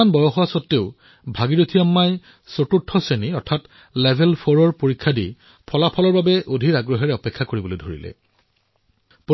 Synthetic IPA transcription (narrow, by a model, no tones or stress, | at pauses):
anbɔjɔxɔasɔtːeʊ | bʱaɡiɹotʰijamːaj | sotutʰːɔseniɔɹtʰat | lebʱɛlpʰɔɹɔɹpoɹikʰːadḭ | pʰɔlapʰɔlɔɹbabɛʔodʱitaɡɹɔɦɛɹɛɔpɛkʰːakoɹibɔlojdʱoɹḭlɛ̰ | po